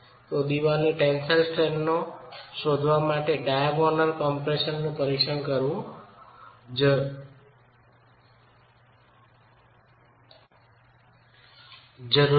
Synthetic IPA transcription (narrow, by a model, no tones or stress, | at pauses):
t̪od̪iʋaniʈensəlsʈɾeɳnoʃod̪ʱʋamaʈeɖajabɔnəɾkɔmpɾeʃənːũpəɾikʃənkəɾʋũ | d͡ʒ | d͡ʒəɾ